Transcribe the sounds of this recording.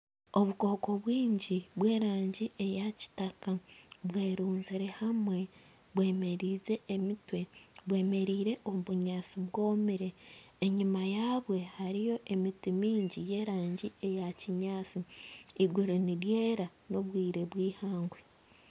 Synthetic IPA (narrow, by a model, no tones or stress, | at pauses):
o̞βuko̞ko̞βwiːɲɟiβwe̞ːɾaːɲɟiʔe̞jaci̥takaβwe̞ːɾuːnziɾe̞hamwe̞ | βwe̞ːme̞ɾiːze̞ʔːmitwe̞βwe̞ːme̞ɾiːɾe̞ʔoβuɲaːt͡siβwo̞ːmiɾe̞ː | ɲimajaːβwe̞haɾijo̞ʔe̞mitimiːɲɟije̞ːɾaːɲɟie̞jaciɲaːt͡siiɡuɾiniɾjeːɾa | no̞βwiːɾe̞βwiːhaːŋɡwe